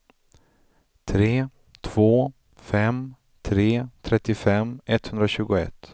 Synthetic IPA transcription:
t̪ʰɾeː | t̪ʰv̥oː | fɛm | t̪ʰɾeːt̪ʰɾɛt̪ːɪfɛmɛt̪hɵnd̪ɾaɕʉ̟ːɡʊɛ̰t̪ː

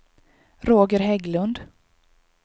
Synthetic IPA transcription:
ɾoːɡəɾɦɛɡlɵnd̪

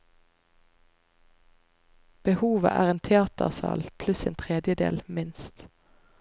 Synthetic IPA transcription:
b̥əhuːʋə̰ʔæ̰ːʁeːnt̪ʰɛɑːt̪ə̰ʁsɑ̰ːlpʰlʉseːnt̪ʰʁeːd̪jəd̪ḛːlmɪnst̪

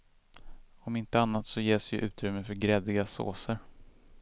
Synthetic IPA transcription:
ɔmɪnt̪əanːat̪sɔjeːsjɵʔʉ̟ːt̪ɾʏmːəfœɾɡɾɛd̪ɪɡaso̰ːsəɾ

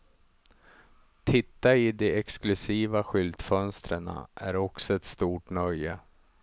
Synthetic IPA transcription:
t̪ʰɪt̪ːaɪd̪ɛɛksklɵsiːvaɧʏld̪fœnst̪ɾəɳa̰ʔæɾɔksɔɛt̪st̪uːʈnœjːə

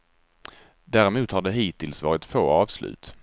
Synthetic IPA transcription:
d̪æːɾɪmuːt̪haɖɛɦiːt̪ɪlsvɑːɾɪt̪foːɑːvslʉ̟̰ːt̪

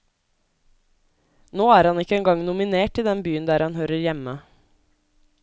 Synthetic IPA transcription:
noːæːɾhɑnɪkːəɛːŋɡɑŋnʊmɪneːʈɪːd̪ɛnbyːənd̪æːɾhɑnhøːɾəɾjɛmə

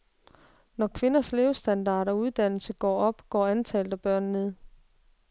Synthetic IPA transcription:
nɒkʰʋe̝nɐsle̝ʊsd̥ænd̥ɑ̰̈ːɾɐɒuð̞ˠd̥æn̰l̩səɡ̥ɒ̰ːɒ̽b̥ɡ̥ɒ̰ːænt͡sʰɛ̰ːld̥̩ˠæb̥ɶɐ̰nne̝ð̰ˠ

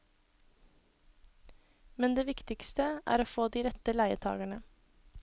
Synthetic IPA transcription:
mɛnd̪eːʋɪkt̪ɪkst̪əʔæ̰ːɾoːfoːd̪iːɾɛt̪əlæɪət̪ʰɑ̰ːɡæɳə

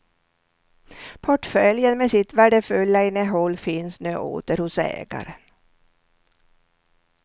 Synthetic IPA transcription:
pʰɔʈfœljənmesɪt̪væɖəfɵlːaɪnːəɦɔlːfɪnsnø̰ːʔo̰ːt̪əɾhʊsɛ̰ːɡa̰ɾən

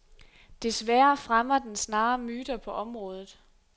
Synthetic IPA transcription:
d̥e̝sʋæɐfʁamɐd̥ensnɑ̈ːmyːd̥ɐpʰɒ̽ʔɒ̽mʁɔ̽ːð̞ˠð̩ˠ

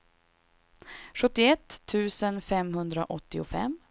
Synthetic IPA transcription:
ɧɵt̪ːɪɛt̪ʰːʉ̟ːsənfɛmɦɵnd̪ɾaʔɔt̪ːɪʊfɛ̰mː

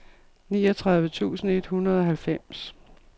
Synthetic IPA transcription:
niːɒt͡sʰʁɑ̈ð̞ˠʋət͡sʰṵːsn̩e̝d̥hunɐð̞ˠɒ̽ɦælfem̰s

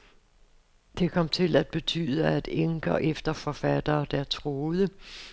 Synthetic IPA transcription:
d̥e̝kʰɒ̽m̰t͡sʰe̝læd̥̚b̥e̝t͡sʰy̰ːð̞ˠɐæd̥eŋɡ̥ɐʔefd̥ɐfɒ̽fæd̥ɐːd̥æɐt͡sʰʁoːð̞̩ˠə

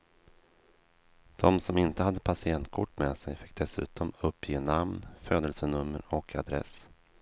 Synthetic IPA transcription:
d̪̥ɔmsɔmɪnt̪əhad̪ːəpʰasɪɛnt̪̚kʰʊʈːmɛsɛjfɪk̚ːd̪̥ɛsʉ̟̰ːt̪ʰɔmɵpːjeːnamnføːd̪əlsənɵmːə̰ɾɔkʰad̪ɾɛ̰s

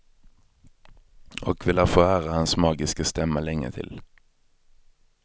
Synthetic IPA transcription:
ʔɔ̰ːkʰʋɪlhæːfoːæːʁəhɑnsmɑːɡɪskəst̪ɛməlɛŋə̰t̪ʰɪ̰l

